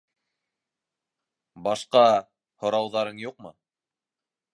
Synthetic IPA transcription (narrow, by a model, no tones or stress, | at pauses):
bɑʃqɑ | hŏɾɑwðɑɾɤɴjuqmɤ̰